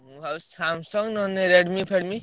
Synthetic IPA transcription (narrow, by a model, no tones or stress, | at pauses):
ɦawssamsʌŋnʌneɾeɽmipʰeɽmi